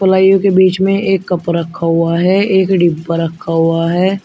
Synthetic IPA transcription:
pəlaːijõkebiːt͡ʃmẽeːkːɐpɾəkʰːaɦʊaɦɛːeːkɖiːbːəɾəkʰːaɦʊaɦɛː

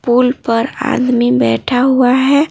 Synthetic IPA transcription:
puːlpəɾa̰ːd̪mibɛːʈʰaɦuaɦɛ

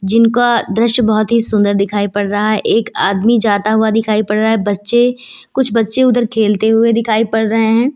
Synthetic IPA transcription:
d͡ʒɪnkad̪ɾɪʃjbɔɦʊt̪ɦisʊ̃nd̪əɾd̪ɪkʰaːipɐɽɾɐɦaɦɛʔeːka̰ːd̪mid͡ʒaːt̪aɦʊad̪ɪkʰaːipɐɽɾaɦaɦɛbɐtːʃe | kʊt͡ʃʰbɐtːʃeʊd̪əɾkʰeːlt̪eɦʊed̪ɪkʰaːipɐɽɾɐɦeɦɛ̃ː

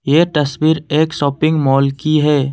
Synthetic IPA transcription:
jeːʈɐswiːɾeːkʃɔːpɪ̃ŋɡmɔːlkiɦɛː

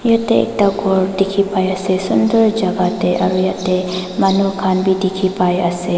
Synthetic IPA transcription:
jat̪eɛ̰k̚t̪akɔɾdikʰipajasesundəɾd͡ʒaɡat̪eʔa̰ɾujaʔt̪e | manukʰanbidikʰipajase

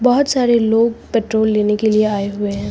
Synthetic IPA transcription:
bɔɦʊt̪saːɾeloːɡ̚peːʈɾoːlːeːnekelieaːeɦʊeɦɛ̃ː

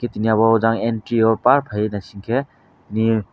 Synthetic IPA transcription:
kʰetinijaβɔɦɔzaŋentɾiɔpaɾpʰajnɐsiŋkʰe | tini

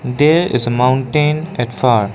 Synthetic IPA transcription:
d̪eːɾɪ̰zəmãʊ̃ɳʈẽːnɛʈfaːɾ

